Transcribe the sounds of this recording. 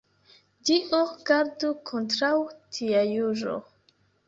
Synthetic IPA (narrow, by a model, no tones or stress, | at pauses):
d͡ʒiʔoɡaɾdukʰontɾawtʰiajuɾo̰